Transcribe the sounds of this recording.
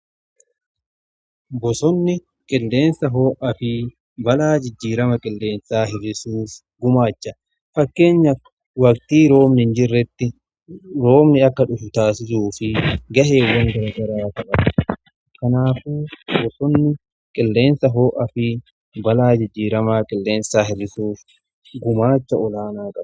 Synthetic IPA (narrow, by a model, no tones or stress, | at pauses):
bɔsɔnːɪ | kʼɪlːe̞ːnsɐɦo̞ːʔɐfɪ | bɐlaːd͡ʒɪd͡ʒːiːɾɐmɐkʼɪlːe̞ːnsaːhɪɾɪsuːf | ɡʊmaːt͡ʃːɐ | fɐkːe̞ːɲːɐ | wɐkt̪iːɾo̞ːmnɪnd͡ʒɪrːɛt̪ːɪ | ɾo̞ːmnɪɐkːɐᶑʊfʊt̪aːsɪs̬uːfɪɡɐɦeːwɐŋɡɐɾɐɡɐɾaːk̪ɐʔɐ | kɐnaːfuːwɔsɔnːɪ | kʼɪlːe̞ːnsɐɦoːʔɐfɪ | bɐlaːd͡ʒɪd͡ʒːiːɾɐmaːkʼɪlːe̞ːnsaːɦɪrːɪsuːf | ɡʊmaːt͡ʃːɐɔlaːnaːkʼɐbɐ